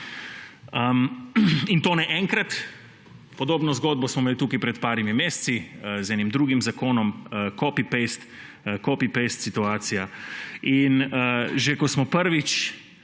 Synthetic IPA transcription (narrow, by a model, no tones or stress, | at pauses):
əmint̪oːnɛʔɛŋkɾat̪ | pɔd̪oːbnɔzɡoːd̪̚bɔsmɔmeːlit̪uːkajpɾɛt̪paːɾimimeːst̪sizɛnimd̪ɾuːɡimzakoːnɔmkoːpipest̪ | kopipest̪sit̪uaːt̪sijainəʒɛkɔsmɔpəɾʋit͡ʃ